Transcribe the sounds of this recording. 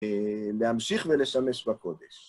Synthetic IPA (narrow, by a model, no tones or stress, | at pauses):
lehamʃiχvelesamesbako̞d̪eʃ